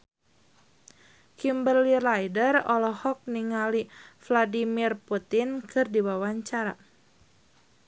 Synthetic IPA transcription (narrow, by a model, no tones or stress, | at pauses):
kimbərlilajdərɔlɔhɔk̚niŋalifladimirput̪inkɨrdiwawaɲt͡ʃaɾa